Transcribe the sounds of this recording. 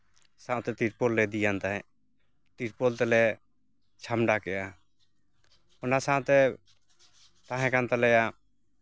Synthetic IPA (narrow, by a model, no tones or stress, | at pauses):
sãt̪ɛt̪iɾpɔlːɛd̪ijant̪aɦɛ̃ | t̪iɾpɔlt̪ɛlɛ | t͡ʃʰamɖakɛja | ɔnasãt̪ɛ | t̪ãɦɛ̃kant̪alɛja